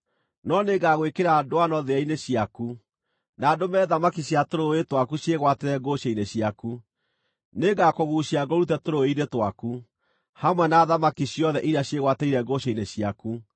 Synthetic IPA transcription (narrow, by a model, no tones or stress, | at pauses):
nɔneɡaɣwekeɾadoanɔðeaineɕiaku | naːdomɛːðamakiɕjatoɾoetwakuɕjeɣwateɾɛɡoɕeineɕjaku | neɡakoɣuɕiaɡɔɾutɛtoɾoeiɾetwaku | hamwɛnaːðamakiɕijɔðɛʔiɾaɕjeɣwateiɾɛɡoɕeineɕiaku